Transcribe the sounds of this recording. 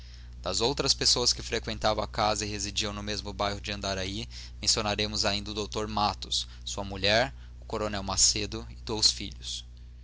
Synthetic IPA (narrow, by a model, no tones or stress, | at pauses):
d̪̥ɐzowt̪ɾɐspesoɐskɪfɾekwẽnt̪avɐ̃w̃akazɐɪɦezid͡ʒiɐ̃w̃nʊmezmʊbajɦʊd͡ʒɪɐ̃nd̪aɾai | mẽsionaɾẽmʊzaĩnd̪ɐʊd̪owt̪oɾmat̪ʊsː | uɐmuʎɛɾ | ʊkoɾonɛwmased̪ʊɪd̪owsfiʎʊs